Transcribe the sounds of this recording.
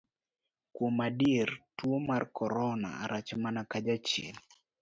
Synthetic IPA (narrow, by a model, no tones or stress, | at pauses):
kwomadirtwomarkʰɔɾɔna̰a̰ɾat͡ʃmanakad͡ʒat͡ʃḛl